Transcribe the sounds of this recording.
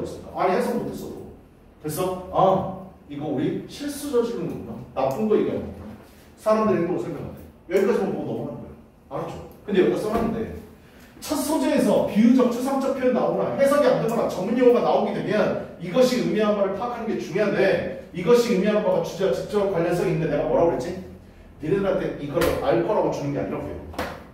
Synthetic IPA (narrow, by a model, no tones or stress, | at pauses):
s͈ɯmika̰ʔaihesʰaŋmotʰes͈ʌdo̰ | kɯɾe̞s͈ʰʌaiɡʌuɾiɕʰiɭs͈ud͡ʑʌd͡ʑiɡɯnɡokanap͈ɯnɡʌiɡʌa̰mota | sʰaɾamdɯɾiɡʌɾosʰʌɭmjʌŋɦade | jʌɭk͈ʰad͡ʑʌmboɡodʌmʌnanɯnɡʌ̰e | ʌt͡ɕʰokɯndejʌk͈ʌs͈ʌɾanːɯnde̞̰ | t͡ɕʰʌt̚sʰond͡ʑee̞sʰʌpiud͡ʑʌk̚t͡ɕʰɯsʰaŋt͡ɕ͈ʌpʰjʌɾɯnaonaɸwe̞sʰaɡiandɯmʌnat͡ɕʌŋmuɲjʌɡoɡanaoɡidwe̞mjʌniɡʌɕʰiɯmiɦanbaɾɯɭpʰakʰanɯnɡe̞t͡ɕuŋjoɦande̞iɡʌɕʰiɯmiɦanbaɡat͡ɕud͡ʑeat͡ɕik̚t͡ɕ͈ʌkwaʎːʌns͈ʌɡinɯndene̞ɡamʌɾaboɾet̚t͡ɕ͈i | neɾjʌdɯnaɭt͈e̞iɡʌɾɯʔaɭkʰʌɾaɡot͡ɕunɯnɡe̞a̰ɲiɾʌpḛjo̰